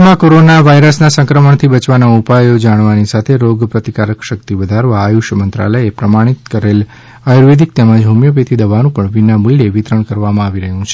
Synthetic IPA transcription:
mãkoɾonaʋaiɾəsnasə̃ŋkɾəməɳt̪ʰibət͡ʃʋanaupajod͡ʒaɽ̃ʋanisat̪ʰeɾoɡpɾət̪ikaɾəkʃək̚t̪iʋəd̪ʱaɾʋaːjuʃəmənt̪ɾa̰ləjepɾəmaɽ̃it̪̚kəɾel | ajuɾʋed̪ʱik̚t̪ɛmãd͡ʒɦumjəpet̪ʰid̪əʋanũpəɳʋinamulːeʋit̪ɾəɳkəɾʋamãaʋiɾəɦjũt͡ʃʰe

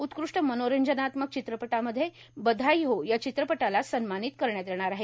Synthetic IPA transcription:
ut̪kɾuʂʈəmənoɾəɲd͡ʑənat̪mək̚t͡ɕit̪ɾəpəʈaməd̪ʱːje | bəd̪ʱajɦojat͡ɕit̪ɾəpəʈalasənmanit̪kəɾɳjat̪eɳ̃aɾaɦe

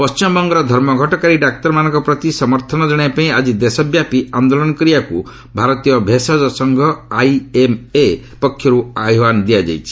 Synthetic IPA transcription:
pɔst͡ʃimbɔŋɡɔɾɔd̪ʱɔɾmɔɡʱɔʈɔkaɾiɖak̚t̪ɔɾmanɔ̃ŋkɔpɾɔt̪isɔmɔɾt̪ʰɔnɔd͡ʒɔɽ̃ajpaĩad͡ʒid̪esɔbjapiand̪olɔnɔkɔɾijaku | bʱaɾɔt̪ijɔbʱesɔd͡ʒɔsɔŋɡʱɔajeme | pɔkʰːjɔɾuaɦjɔwand̪ijad͡ʒa̰jt͡ʃʰi̥

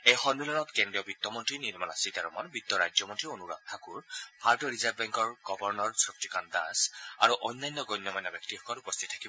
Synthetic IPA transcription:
ejxɔnmilɔnɔtkendɹiɔbit̪ːɔmɔntɹiniɹmana̰siltaɹɔmɔ̰nbit̪ːɔɹajzɔmɔntɹionuɹa̰k̚t̪ʰakuɹpʰaɹtɔɹizabbɛŋkɔɹɡ̥ɔbɔɹnɔɹsɹuk̚tikanda̰sa̰ɹuʔɔjnːajnːɔɡɔjnːɔmajnːɔbjɔktixɔkɔtupɔst̪ʰitʰḁkibɔ

